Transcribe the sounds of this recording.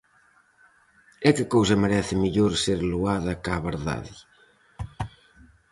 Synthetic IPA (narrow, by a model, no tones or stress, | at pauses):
ɛkɪkowsɐmeɾɛθɪmiʎoɾseɾluaðɐkaβeɾða̰ði